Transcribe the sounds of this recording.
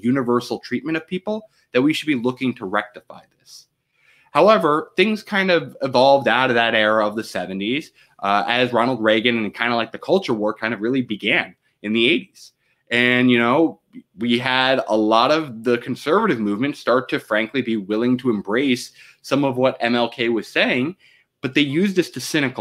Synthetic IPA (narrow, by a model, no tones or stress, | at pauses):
jʉnɨvɜ˞sl̩ˠtʰɹ̥it̚mɨ̃ñʌv̥pʰipl̩ˠ | ðɨt̚wiʃɨd̚bilʊkɪ̃ŋtʰəɹɛk̚tɨfa̰ɪðɪs | haʊɛvə˞θɪ̃ŋz̥kʰãɪ̃ndʌvɨvɑlˠvdaʊɾʌvðɨɾɛɹəʌvðɨsɛvɨ̃n̩tiz̥ | ʔɨzɹɑnl̩ˠd̚ɹeɪɡɨ̃nɨ̃nkʰãɪ̃ndəlaɪk̚ðɨkʰʌlˠt͡ʃə˞wɔɹkʰãɪ̃ndʌvɹɪlˠibɨɡæ̃n | ɨ̃nðieɪɾiz̥ | ʔɨ̃njɨnoʊ | wiəɾə̰lɔɾʌvðɨkʰn̩sɜ˞vɨɾɨvmʉvmɨ̃ntstɑɹtʰɨfɹæ̃ŋklibiwɪlˠɪ̃ŋtʰɨɨ̃mbɹeɪsː | ʌ̃mʌvwʌɾɛ̃mɛlˠkʰeɪwʌz̥seɪɪ̃ŋ | b̥ʌt̪̚ðeɪjʉzðɨstʰɨsɪ̃ñɨk